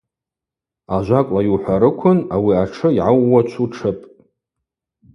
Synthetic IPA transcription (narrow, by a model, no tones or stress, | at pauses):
aʒʷakʷʼlajuħʷaɾɨkʷʰʊnawiaʈ͡ʂʰɨiʕawːat͡ʃʷʰuʈ͡ʂʰɨpʼ